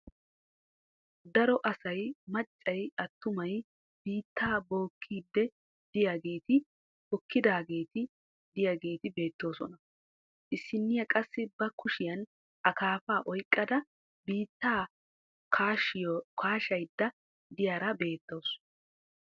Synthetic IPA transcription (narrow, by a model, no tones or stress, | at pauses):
d̪ɐɾɔʔɐsɐjmɐt͡ʃʼːɐjɐt̪ːʊmɐj | biːt̪ːaːbo̞ːkʰːiːd̪ːɛ | d̪ɪjaɡe̞ːt̪ɪ | hɔkːɪd̪aːɡe̞ːt̪ɪ | d̪ɪjaːɡe̞ːt̪ɪbe̞ːt̪ːo̞ːsɔ̰nɐ | ʔɪsːɪnːɪjɐkʼɐsːɪbɐkʊʃɪjɐn | ʔɐkaːfaːʔɔjkʼːɐd̪ɐ | biːt̪ːaː | kʰaːʃɪjokʰaːʃɐjd̪ːɐ | d̪ɪjaːɾɐbe̞ːt̪ːoːs